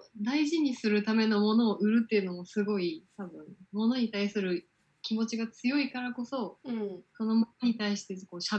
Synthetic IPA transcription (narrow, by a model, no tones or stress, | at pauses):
d̪aiʑiɲ̟isɨɾɯ̟t̪ame̞no̞mo̞no̞ːʔɯ̟ɾɯ̟t̪ːe̞ɯ̟no̞mo̞sɨɡo̞it̪abɯ̟̃ɴmo̞no̞ɲ̟it̪aisɨɾɯ̟ | kʲimo̞t͡ɕiɡat͡sɨjo̞ikaɾako̞so̞so̞no̞mooɲ̟it̪aiɕi̥t̪e̞ko̞ːɕa